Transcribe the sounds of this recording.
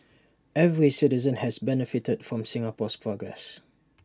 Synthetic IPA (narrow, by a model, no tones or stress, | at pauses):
ɛvɹisɪtizə̃nhɛsbɛnəfitədfɹɔ̃msɪ̃ŋapɔspʰɹɔɡɹɛ̰s